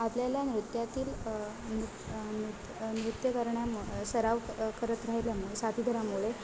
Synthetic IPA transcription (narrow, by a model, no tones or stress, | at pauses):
apljaljanɾut̪jat̪iːl | nu | nut̪ | mɾut̪jəkəɾɳjasəɾaʋkəɾət̪ɾaɦajljamuɭesat̪iːd̪ʱəɾamuɭe